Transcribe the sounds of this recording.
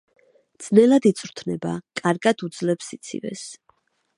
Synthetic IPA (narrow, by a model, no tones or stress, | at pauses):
d̪z̥nɛlad̪it̪sʼɾt̪ʰnɛba̰kʼaɾɡad̪ud̪zlɛpsit̪sʰḭvɛ̰s